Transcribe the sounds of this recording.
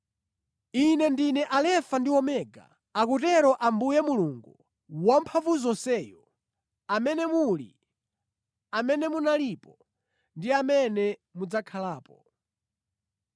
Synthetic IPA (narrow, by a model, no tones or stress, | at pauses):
inɛndinɛʔalɛfandiwɔmɛɡa̰ | akutɛɾɔʔambujɛmuluŋɡu | wam̩pʰavuzɔnsɛjɔ | amɛnɛmulḭ | amɛnɛmunalipɔ | ndiamɛnɛmud͡zakʰalaːpɔ